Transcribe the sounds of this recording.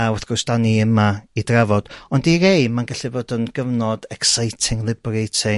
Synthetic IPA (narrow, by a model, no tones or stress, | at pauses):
awɛθɡʊsd̥aniəmaidravɔd̥ɔndiɾejmanɡaɬɨboːdənɡ̥əvnɔdɛksajtʰɪŋlˠɪbrejtʰɪ